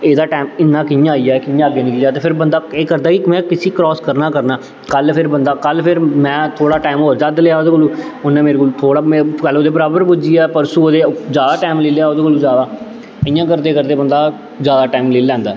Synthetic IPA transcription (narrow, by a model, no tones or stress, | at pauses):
eːd̪aːʈaːmɪnːãːkɪjãːijaːkɪjãːɡeːnĩːkid͡ʒaːt̪eːpʰɪɾbənd̪aːeːkəɾd̪aːkimɛ̃ːkɪsiːkɾɔːskəɾnaːkəɾnaː | kəlpʰɪɾbənd̪aːkəlpʰɪɾmɛ̃ːt̪ʰoːɽaːʈaːɪmoːɾd͡ʒad̪leaːoːd̪eːkoluːʊnɛ̃ːmeːɾekoːluːt̪ʰoːɽaːm̃ːkəloːd̪eːbəɾaːbəɾpʊd͡ʒiːaːpəɾsuoːd̪eːd͡ʒjaːd̪aːʈaːmleːleaːoːd̪eːkoluːd͡ʒjaːd̪aː | əɪjãːkəɾd̪eːkəɾd̪eːbənd̪aː | zjaːd̪aːʈaːɪmleːlɛ̃ːnd̪aː